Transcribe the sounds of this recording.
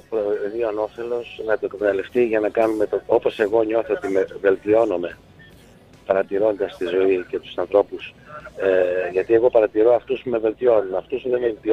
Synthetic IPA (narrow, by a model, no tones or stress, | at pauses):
pɾoðiɐno̞fe̞lo̞snɐt̪okɐt̪ɐnɐlift̪iʝɐnɐkɐnume̞t̪oo̞po̞se̞ɣo̞ɲo̞θoot̪imeve̞lt̪io̞nome̞ | pɐɾɐt̪iɾo̞nd̪ɐst̪izo̞ice̞t̪u̥sɐnθɾo̞pus | ʝɐt̪ie̞ɣo̞pɐɾɐt̪iɾo̞ɐft̪usume̞ve̞lt̪io̞nunɐft̪usuðemelt̪i